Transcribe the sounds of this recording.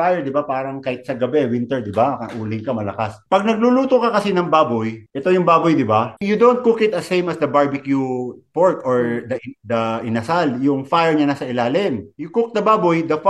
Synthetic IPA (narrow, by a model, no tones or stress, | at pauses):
fajɛɹd̪ɪbapaːɾɐŋkɐɪt̪̚sɐɡɐbɛwɪnt̪ɛɹd̪ɪbakɐʔuːlɪŋkɐmɐlɐ̰kaspɐɡ̚nɐɡ̚luluːt̪okɐkɐsinɐŋbaːbojʔɛt̪o̞jʊŋbaːbojd̪ɪbajʊd̪ownt̪̚kukɪt̪ɐsejmɐsd̪ɐbaɹbɪkjupoɹkoɹd̪ɐd̪ɐʔɪnɐsaljʊŋfajɛɹɲanasɐʔɪlaːlɪmjʊkʊk̚d̪ɐbaːbojd̪ɐf